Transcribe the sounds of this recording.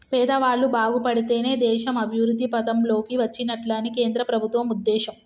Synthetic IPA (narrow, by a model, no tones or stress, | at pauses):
pɛːd̪ɐʋaːɭːubaːɡupɐɽit̪e̞ːne̞ːd̪ɛːʃɐmɐbʱiʋɾud̪ʱːipɐt̪ɐmlo̞ːkiʋɐt͡ʃːinɐʈlaːnike̞ːnd̪ɾɐpɾɐbʱut̪ʋɐmud̪ːɛːʃɐm